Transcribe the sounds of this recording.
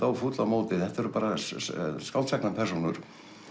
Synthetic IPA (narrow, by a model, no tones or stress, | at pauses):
awfuːt̪lamoːwt̪ɪðɛht̪aɛɾʏpaːɾa | skawlt̪sɛknapʰɛɾ̥sonʏɾ̥